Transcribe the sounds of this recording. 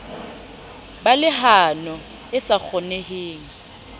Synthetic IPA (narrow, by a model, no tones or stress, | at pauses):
balɪɦanɔ | ɪsak͡xʰɔneheːŋ̩